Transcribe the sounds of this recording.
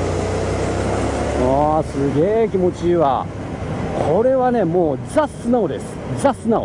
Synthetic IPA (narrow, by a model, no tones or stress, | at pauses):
asɨɡʲe̞ːkʲimo̞t͡ɕiβa̰ | kʰo̞ɾe̞βane̞mo̞ːd͡zasɨnao̞d̪e̞sɨ̥d͡zasɨnao